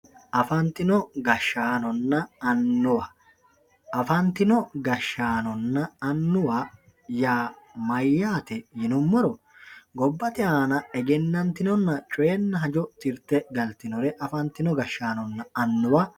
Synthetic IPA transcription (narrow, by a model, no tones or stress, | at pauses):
ʔɐfɐnt̪ːɪnɔɡɐʃːaːnɔnːɐɐnːʊwa | ɐfɐnt̪ɪnɔɡɐʃːaːnɔnːɐɐnːʊwaː | jaːmɐjːaːt̪ɛjɪnʊmːɔɾɔ | ɡɔbːɐt̪ɪaːnɐɛɡɛnːɐnt̪ɪnɔnːɐt͡ʃʼɔjɛnːɐɦɐd͡ʒɔt̪ɪɾt̪ːɛɡɐlt̪ɪnɔɾɛʔɐfɐnt̪ːɪnɔɡɐʃːaːnɔnːɐɐnːʊwa